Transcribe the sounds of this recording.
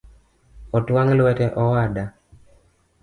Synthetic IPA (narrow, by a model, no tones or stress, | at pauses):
ɔtwaŋlwɛtɛʔɔwada